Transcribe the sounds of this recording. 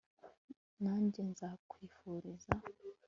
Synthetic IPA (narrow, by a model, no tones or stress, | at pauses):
naːɲɟenzakwiːfuːɾiza